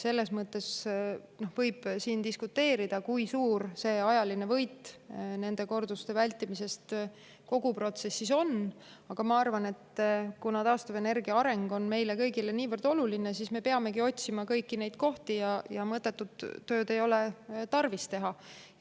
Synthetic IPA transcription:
se̞lːe̞smɤt̪ːˑe̞sno̞hvɤjb̥siːnd̪iskut̪ːe̞ːɾid̪̥ɑkujsuːrse̞ɑjɑline̞vɤ̞jt̪ːˑne̞nd̪e̞ko̞rd̪ust̪e̞vælʲt̪ːˑimise̞st̪ | ko̞ɡupro̞t̪se̞sːiso̞n | ɑɡ̥ɑmɑɑrvɑne̞t̪ːkunɑt̪ɑːst̪ɑve̞ne̞rɡiɑɑɾe̞ŋɡ̥o̞nme̞jle̞kɤjɡile̞niːvɤrd̪̥o̞luline̞sisme̞pe̞ɑme̞ɡio̞t̪ʲsimɑkɤjkːine̞jd̪̥̚ko̞ht̪ijɑjɑmɤt̪ːˑe̞t̪ːud̪̥ːø̞ːd̪e̞jo̞le̞t̪ɑrvist̪e̞ɦɑ

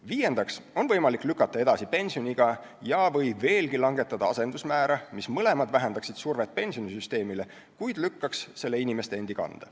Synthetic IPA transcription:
viːje̞nd̪̥ɑkso̞nvɤjmɑlikːˑlykːˑɑt̪ːˑɑe̞d̪̥ɑsipe̞nʲsio̞niɡ̥ɑ | jɑvɤ̞jve̞ːlɡilɑŋɡe̞t̪ːˑɑd̪ɑɑse̞nd̪usmæːɾɑmismɤle̞mɑd̪væɦend̪ɑksid̪̥surve̞t̪̚pe̞nʲsio̞nisyst̪e̞ːmile | kujd̪̥lykːɑksːe̞lːe̞inimest̪eend̪̥ikɑ̰nd̪̥ɑ

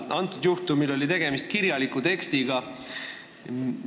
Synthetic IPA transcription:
ʔɑnt̪ːˑud̪̥juht̪umilo̞lʲit̪e̞ɡ̥e̞mist̪kiɾjɑlikːut̪e̞kst̪iɡ̥ɑ

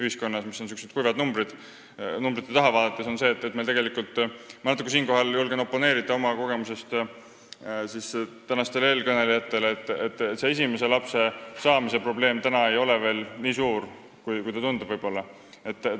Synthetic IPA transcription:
yhisko̞nːɑsmisːo̞nsykused̪̚kujvɑd̪numbɾid̪̥ | numbɾit̪ːˑet̪ɑɦɑvɑːd̪ɑt̪ːˑesonse̞ːt̪ːˑet̪melt̪eɡe̞likult̪ːˑmɑnɑt̪ːˑukːusiːnko̞ɦɑljulɡ̥eno̞pːˑo̞ne̞ːɾit̪ːˑɑo̞mɑko̞ɡe̞muse̞st̪ | sist̪ænɑst̪e̞le̞ːlkɤne̞lijɑt̪ːe̞let̪ːˑet̪ˑːet̪se̞esime̞s̬e̞lɑpse̞sɑːmise̞pro̞ble̞ːmt̪ænɑe̞jo̞le̞ve̞ːlniːsuːɾ | kujkujt̪ɑt̪und̪ub̥vɤjb̥o̞lːɑ | e̞t̪ːˑ

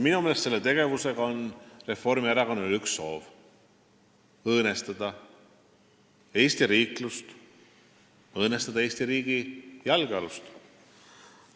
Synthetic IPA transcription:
minumeːlest̪se̞lːet̪e̞ɡ̥e̞vuse̞ɡ̥ɑo̞nre̞fo̞rmieɾɑkonːelyksːo̞ːv | ɤːnest̪ɑd̪̥ɑ | e̞ːst̪iɾiːklust̪ | ɤːnest̪ɑd̪̥ɑeːsʲt̪iɾiːɡ̥ijɑlɡeɑlust̪

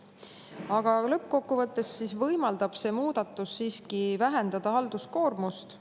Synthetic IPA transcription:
ɑɡ̥ɑlɤp̚ːko̞kːuvɤt̪ːˑe̞sːisvɤjmɑld̪̥ɑb̥se̞ːmuːd̪̥ɑt̪ːˑusːiːskivæɦend̪̥ɑd̪̥ɑɦɑld̪̥usko̞ːrmust̪

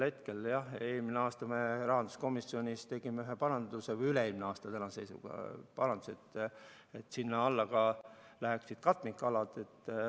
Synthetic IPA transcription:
he̞t̪ke̞ljɑhe̞ːlmineɑːst̪ɑme̞rɑɦɑnd̪u̥sko̞misːionʲist̪e̞ɡ̥imeyɦepɑɾɑnd̪usevɯjyleeːlmineɑːst̪ɑt̪ænɑse̞jsṵɡ̥ɑ̰pɑɾɑnd̪uset̪ː | et̪ːsinːɑɑlːɑɡɑlæhksid̪̥̚kɑt̪ːˑmikːɑlɑd̪e̞t̪ː

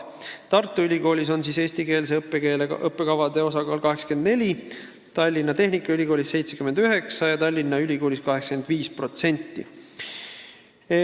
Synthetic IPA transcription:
t̪ɑrt̪ːˑuylʲiɡo̞ːlʲiso̞nsiːse̞ːsʲt̪ike̞ːls̬epːekeːlɤpːe̞kɑvɑd̪̥e̞o̞sɑɡɑːlkɑɦe̞kske̞nd̪̥ne̞lʲi | t̪ɑlʲːinːɑt̪e̞ɦnikːˑɑylʲiko̞ːlʲisːejt̪se̞kymːend̪yɦe̞ksɑjɑt̪ɑlʲːinːɑylʲiko̞ːlʲiskɑɦeksɑ̥ke̞nd̪̥viːspro̞t̪se̞nʲt̪ːi

